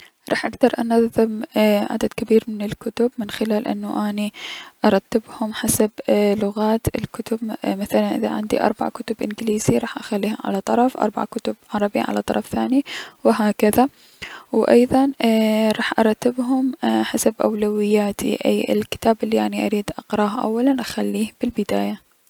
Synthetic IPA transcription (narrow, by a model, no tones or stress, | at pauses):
ɾˤɑ̰ːħʔaɡd̪ɑɾˤʔanɑðɪmʕa̰d̪ad̪̥kabiːɾmɪnɪlkʊt̪ʊbmɪnxɪlaːlʔɪ̰nːaʔaːniʔɑɾˤɑt̪ːɪbhʊmħasablʊɣaːt̪ɪ̰lkʊt̪ʊbmaθalanʔɪða̰ʕɪ̰nd̪ḭʔɑ̰ɾˤba̰ʕkʊt̪ʊbʔɪnɡɪliːz̥iɾˤɑːħʔaxalːiːhʊmʕa̰lat̪ˤɑɾˤɑfʔɑ̰ɾˤba̰ʕkʊt̪ʊbʕɑɾˤɑbiʕalat̪ˤɑɾˤɑfθaːniwɪɦaːkaða | wʔɑ̰jðˤɑnɾˤɑːħʔɑɾˤɑt̪ːɪbɦʊmħasabʔa̰wlawɪjːaːt̪ʰḭʔa̰jɪ̰lkɪ̥t̪aːbʔɪlːiʔa̰ʕniʔa̰ɾiːd̪ʔɑqɾˤɑːhʔa̰wːalanʔaxalːiːhb̥ɪlbɪd̪a̰ːja